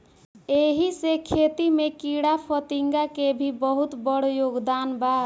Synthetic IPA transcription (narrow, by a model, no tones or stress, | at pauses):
eɦisekʰet̪imekiɽapʰət̪iŋɡakebʱibəɦut̪bəɽ̤joɡd̪anba